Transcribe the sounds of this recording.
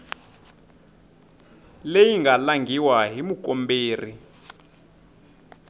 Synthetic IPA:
lejiŋɡʱalaŋɡʱiwaɦimuk̬ʼɔmbeːri

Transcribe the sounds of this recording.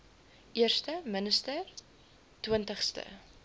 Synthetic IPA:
ʔiərstəmənəstər | twəntəχstə̰

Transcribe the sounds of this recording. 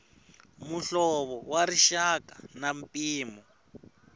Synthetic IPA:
muɬɔβɔwaɾiʃakanampiːmɔ

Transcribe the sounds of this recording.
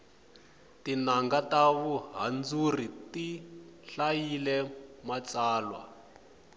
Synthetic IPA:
tinaŋɡataβuɦand͡zuritiɬajilɛmat͡saːlwa̰

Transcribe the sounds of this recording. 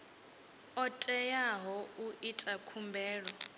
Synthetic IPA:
ɔtʼɛjaɦɔuʔitʼakʰumbʱɛːɺɔ

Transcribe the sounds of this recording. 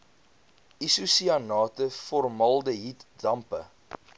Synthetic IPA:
isusiɐnɑːtəfɔrmɐlˠdəɦitdɐmpə̰

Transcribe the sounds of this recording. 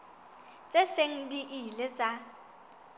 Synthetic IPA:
t͡sʼeseŋ̩diʔilet͡sʼa

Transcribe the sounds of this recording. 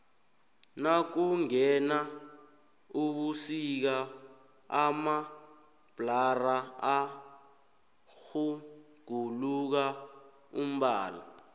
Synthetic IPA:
nak̬uŋɛna | uɓusik̬a | ama | b̥ʱlaraa | xu | ɡ̥ʱuluk̬a | um̩ɓaːla̰

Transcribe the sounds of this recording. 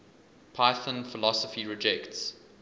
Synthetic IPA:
pʰaɪθə̃nfɪlɔsəfiɹɪd͡ʒɛkts

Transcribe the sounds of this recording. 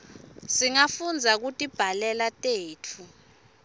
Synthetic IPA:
siŋafund͡zʱak̬utʼib̥ʱalɛlatʼeːtʰu

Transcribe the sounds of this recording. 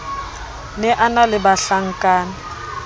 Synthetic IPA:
nɛʔanalɪbaɬaŋ̩kʼaːna

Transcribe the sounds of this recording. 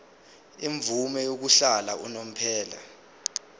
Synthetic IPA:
iɱvumɛjok̬uɬalaunom̩pʰɛːla̰

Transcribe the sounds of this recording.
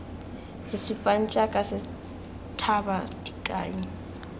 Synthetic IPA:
isupʼan̩t͡ʃʼakʼasɪ | tʰabadʼikʼaːji

